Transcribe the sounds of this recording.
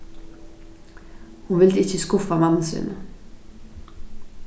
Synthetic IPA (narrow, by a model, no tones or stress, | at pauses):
hunʋɪld̪̥əɪt͡ʃəskufɑmɑnn̩sḭnə